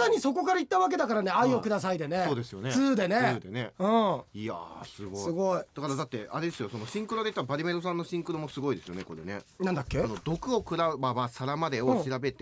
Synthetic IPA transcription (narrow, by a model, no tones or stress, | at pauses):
aɲ̟iso̞k̬o̞kaɾait̪ːaβak̬e̞d̪akaɾane̞aiokɯ̟d̪as̬aid̪e̞ne̞oːd̪e̞sɨjo̞nesɨːd̪e̞ne̞ɯːd̪e̞ne̞ɯ̃ia̰sɨɡosiɨɡo̞id̪akaɾad̪at̪ːe̞a̰ɾe̞d̪e̞sɨjo̞so̞no̞ɕĩŋkɯɾod̪e̞it̪ːaabaɾʲime̞ɾo̞sãnːoɕĩŋkɯ̟ɾomo̞sɨɡo̞id̪e̞sɨjo̞̰ne̞̰ko̞ɾe̞̰ne̞̰ | nãnd̪akʲːe̞nod̪o̞kɯ̟o̞kɯ̟ɾaɯbaβasaɾamad̪e̞oɕiɾabe̞t̪e